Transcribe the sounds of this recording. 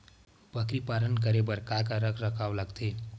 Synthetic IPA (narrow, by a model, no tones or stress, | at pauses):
bəkɾipaɾənk̬əɾebəɾkakaɾəkʰɾəkaʋləɡt̪el